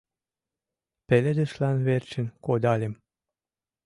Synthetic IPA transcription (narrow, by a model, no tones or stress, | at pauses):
peled̪ĕʃlænβert͡ɕə̆nkod̪ɑlʲem